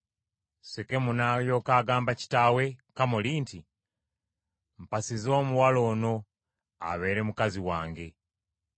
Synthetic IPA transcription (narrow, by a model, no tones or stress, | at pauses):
seke̞munajo̞ːkaːɡaːmbaci̥tawe̞kamoliːnti | m̩pasizo̞ːmuwalo̞ːno̞ | a̰βe̞ːɾe̞mukaziwaːŋɡe̞